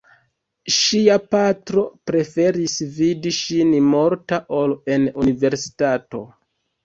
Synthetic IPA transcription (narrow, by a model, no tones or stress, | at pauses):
ʃiapatɾo̞pɾe̞fe̞ɾisvidiʃinmo̞ɾtaʔo̞le̞nunive̞ɾsi̥tato̞